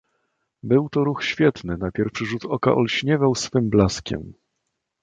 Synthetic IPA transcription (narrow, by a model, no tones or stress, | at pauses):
bɘwt̪ɔɾuxɕfʲjɛt̪nɘnapʲjɛɾfʂɘʐut̪ɔka̰ʔɔlɕɲɛvawsfɘmblaskʲɛ̰m